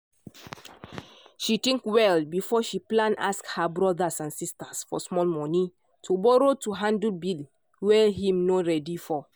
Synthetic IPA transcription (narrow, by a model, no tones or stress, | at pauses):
ʃit̪ĩŋkwɛlbifɔʃiplãna̰skhabɹɔdasãnsistasfɔ̰smɔlmɔnĩ | tʰubɔɾotuɦãndlbil | wɛɦĩmnoɹɛdifɔ